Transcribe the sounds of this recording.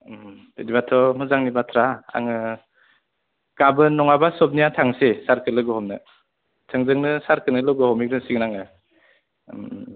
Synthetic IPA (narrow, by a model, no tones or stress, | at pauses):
m | dedibatʰɔmɯzaŋnibatʰɾaa̰ŋɯ | kabɯnːɔŋabasɔp̚nijatʰaŋsesaɾkɯlɯɡɯhɔmnɯ | tʰɯŋzɯŋnɯsaɾkɯnɯlɔɡɯhɔmik̚ɾɯnsiŋnaŋɯ | m